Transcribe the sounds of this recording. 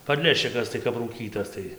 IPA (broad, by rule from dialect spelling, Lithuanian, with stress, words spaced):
pɐdʲˈlʲæːʃʲt͡ʃʲɪkɐs tɐɪ kɐp ruːˈkʲiːtɐs ˈtɐɪ